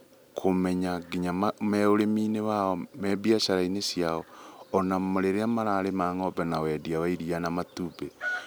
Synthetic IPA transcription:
kʰomɛɲaɡiɲamamɛoɾemiːnewaɔmɛbiaʃaɾainesjaɔːnamoɾeɾeamaɾaɾemaːŋɔbɛnawɛdiawaiɾianamatube

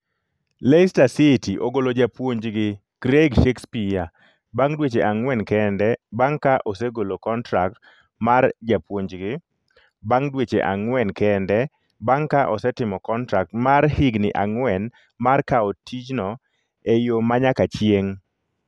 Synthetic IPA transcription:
lestasitiʔoɡolod͡ʒapwoɲd͡ʒɡɪ | ɡ̥ɾeɡʃekspija | baŋdwet͡ʃeʔaŋwɛnkɛndɛbaŋkaʔoseɡolokɔntɾak̚t | mard͡ʒapwoɲd͡ʒɡɪ | baŋdwet͡ʃḛʔa̰ŋwɛnkɛndɛ | baŋkaʔɔsɛtɪmɔkɔntɾak̚tmaɾhɪɡnɪ̰ʔaŋwɛn | markaotʰid͡ʒnɔ | ejomaɲakat͡ʃjeŋ

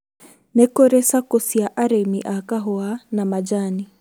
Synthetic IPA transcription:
nɛkɔɾɛsakɔsiaʔaɾɛmiʔakaɦɔanamad͡ʒani

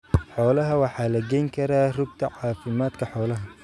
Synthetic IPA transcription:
ħɔːlɐɦɐwɑħɑːlɐɡɛjŋkʰɐɾaːrʊb̚t̪ʰɐʕɑːfɪmaːd̪kʰɐħɔːlɐɦɐ

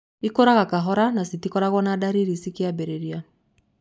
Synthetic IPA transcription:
ikoɾaɣakaɦɔɾanasitikɔɾaɣwɔnadaɾiɾisikeabeɾeɾia

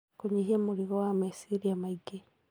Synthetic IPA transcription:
kuɲihiemuliɣowamisiɾijamaiɡe

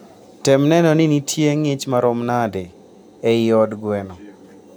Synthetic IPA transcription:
tɛmnɛnɔnɪnitʰjeŋɪt͡ʃmaɾomnade | ɛɪɔdɡwɛnɔ

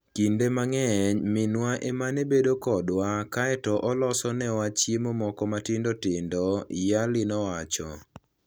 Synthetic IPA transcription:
kindemaŋɛɲmɪnwaʔemanebedokɔdwakaɛtɔʔɔlɔsɔnɛwat͡ʃjemɔmɔkɔmatɪndotɪndɔjalɪnɔwat͡ʃɔ̰

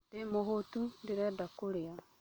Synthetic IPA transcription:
demohotundiɾɛdakuɾea

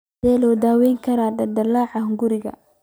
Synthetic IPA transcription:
ɛːlɔːd̪aːwɛːjŋkʰɐɾaːd̪ɐd̪ɐlaːʕɑŋɡʊɾɪɣɐ̰

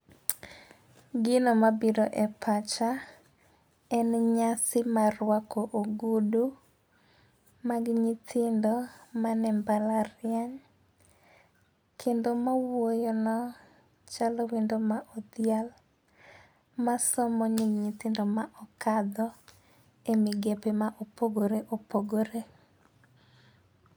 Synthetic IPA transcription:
ɡɪnomabidoʔɛpʰat͡ʃa | ɛnɲasɪmarwakoʔoɡudu | maɡɲɪt̪ʰɪndɔmanɛmbalaɾɪaɲ | kʰendomawojɔnɔ | t͡ʃalɔwindomaʔɔd̪jal | masɔmɔɲiŋɲit̪ɪndɔmaʔɔkad̪ɔ | emɪɡepemaʔopoɡoɾeʔopoɡoɾe

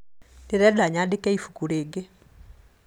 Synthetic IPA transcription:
deɾɛdaɲadekɛifukuɾeːɡe

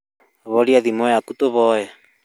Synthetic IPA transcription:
βɔɾiaðimɔɛakutoβɔɛ

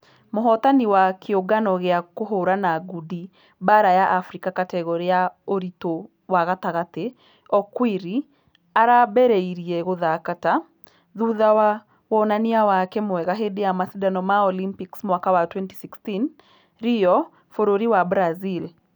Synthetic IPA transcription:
moɦɔt̪aniwakʰeoɡanɔɣeakoɦoɾanaɡudi | baɾajaʔːfɾikakatɛɣɔɾeaoɾito | waɣataɣate | ɔkwiɾi | aɾabɛɾeiɾiɛɣoðakata | ðuːðawa | wɔnaniawakɛmwɛɣaɦedejamasidanɔmaɔlimpiksmwakawatwɛnti̥sikstin | ɾijɔ | foɾoɾiwabɾazil

